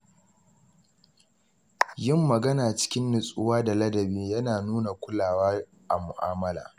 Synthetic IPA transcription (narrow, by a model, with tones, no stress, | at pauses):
jɪ˦˨mːɐ˨ɡɐ˦naː˨t͡ʃɪ̥˦kʲɪ˦nːɪ˨sʼʊ˦waː˦da˨lɐ˦dɐ˨beː˦jɐ˦naː˨nuː˦na˨kʷʊ˦laː˨waː˦ | ʔa˨mʊ˨ʔaː˦mɐ˦la̰ː˨